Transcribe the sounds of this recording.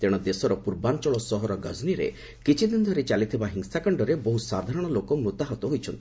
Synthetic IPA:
t̪eɽ̃ɔd̪esɔɾɔpuɾbant͡ʃɔɭɔsɔɦɔɾɔɡɔzniɾḛ | kit͡ʃʰid̪inɔd̪ʱɔɾet͡ʃalit̪ʰibaɦiŋsakɔɳɖɔɾeboɦusaɾd̪ʱaɾɔɽ̃ɔlokɔmɾut̪aɦɔt̪ɔɦojt͡ʃʰɔnt̪i̥

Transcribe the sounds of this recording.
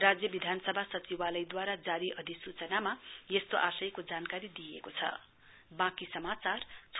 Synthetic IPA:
rad͡zjʌbid̪ʱanʌsʌbʱasʌt͡siwalʌjd̪waɾad͡zaɾiʔʌd̪ʱisut͡sʌnamajest̪oʔasʌjkod͡zankaɾid̪ijḛkot͡sʰʌ̰ | bãkisʌmat͡sart͡sʰ

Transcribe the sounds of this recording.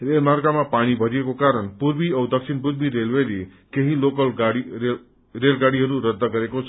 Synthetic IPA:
ɾelmaɾkamãpaɽ̃ibʱəɾiekokaɾəɳpuɾbiəwd̪əkʃinpuɾbiɾelʋeɾi | keɦilokəlɡaɽie | ɾelɡaɽiɦəɾuɾəd̪ːəkəɾekot͡ʃʰ

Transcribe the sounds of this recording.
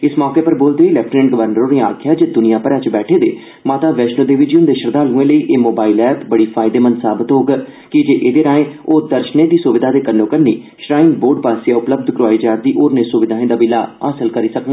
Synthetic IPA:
ɪsmɔːkeːpəɾboːld̪eːilɛːp̚ʈneːɳʈɡəʋəɾnəɾõːnea̰ːkʰjaːd͡ʒed̪ʊnijãːpəɾaːt͡ʃbɛːʈʰeːd̪ḛː | maːt̪aːʋɛːʃnoːd̪eːʋɪd͡ʒijənd̪eːʃəɾd̪aːluːẽːləiːʔeːmoːbaːilɛːpbəɽiːpʰaːɪd̪eːmənsaːbət̪ɦoːɡkɪd͡ʒeːʔeːd̪eːɾaːẽːoːd̪əɾʃnẽːd̪iːsʊʋɪd̪ʱaːd̪eːkənːõːkəɾnḭː | ʃɾaːɪnboːɾɖpaːsijaːʊpləb̚d̪kɾʊaːiːd͡ʒaːɾd̪iːʔoːɾneːsʊʋɪd̪ʱaːẽːd̪aːbɪlaːaːsəlkəɾiːsəkɡ

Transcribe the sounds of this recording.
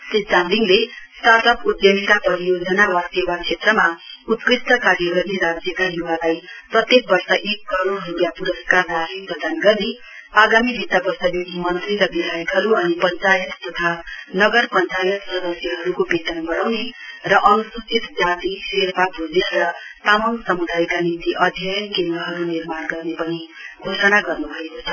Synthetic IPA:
sid͡zand̪iŋlest̪art̪ʌpud̪jʌmit̪apʌɾijod͡zʌnawast̪jʌbat͡ʃʰet̪rʌmaut̪krist̪ʌkaɾjʌɡʌrneɾad͡zjʌkaɦjuwalajprʌt̪jek̚bʌrsʌʔekːʌɾoɽrupjapuɾʌskardasiprʌd̪anɡʌrne | aɡamibʱit̪abʌrsʌjjokimʌnt̪riɾʌbid̪ʱajʌkɦʌɾuʌnipʌnt͡sajʌt̪t̪ʌt̪ʰanʌɡʌrpʌnt͡sajʌt̪sʌd̪ʌsjʌɦʌɾukobet̪ʌnɡʌɾawnerʌʔʌnsut͡sit̪d͡zat̪iserpabʱud͡zerʌt̪amʌnsʌmud̪ʱajkanint̪iʔʌd̪ʱjʌjʌnkend̪rʌɦʌɾunirmanɡʌrnepʌni | ɡʱosʌnaɡʌrnubʱʌekot͡sʰʌ

